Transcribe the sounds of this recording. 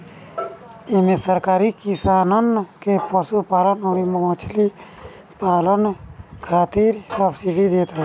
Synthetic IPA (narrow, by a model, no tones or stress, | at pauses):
ɪmesəɾkaːɾikɪsaːnənkepəsupaːlənoːɾimot͡ʃʰli | paːlənkʰaːt̪iɾsəbsiɖid̪eːt̪ɾ